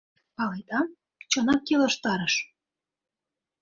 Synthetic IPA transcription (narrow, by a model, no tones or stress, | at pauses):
pɑlet̪ɑm | t͡ɕɤnɑkːelə̆ʃt̪ɑɾəʃ